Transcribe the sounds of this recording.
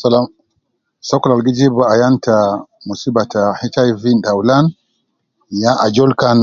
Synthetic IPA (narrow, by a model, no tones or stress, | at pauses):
salam | sɔkɔlalɡid͡ʒibaajantʰamusibatahitaivindaulan | jãʔad͡ʒɔlkan